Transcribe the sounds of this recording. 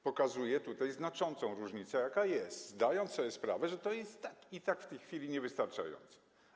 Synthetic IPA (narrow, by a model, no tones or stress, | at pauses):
pɔkazujɛt̪ut̪ajznat͡ʂɔnt̪sɔ̃w̃ɾuʐɲit̪sɛjakajɛst̪zd̪ajɔnt̪ssɔbʲjɛspɾa̰vɛʐɛt̪ɔjɛst̪ːakit̪akft̪ɛjxfʲilʲiɲɛvɘst̪aɾt͡ʂa̰jɔ̰nt̪sɛ̥